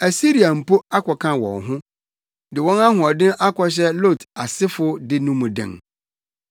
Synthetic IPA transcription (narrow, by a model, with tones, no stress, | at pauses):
æ˨si˦ɾi˨a˨m̩˨pʰo˦a˦kʰɔ˨kʰã˦wɔ̰̃˨nɦʊ̃˦ | dɪ˨wɔ̃˦na˦ɦʊ̃˨ɔ˨dɪ̃˦ʔa˦kʰɔ˦ɕ̬ɛ˦lo˦˨ta˨sɪ˦fʊ˦dɪ˦nũ˦mũ˨dɪ̰̃˨ŋ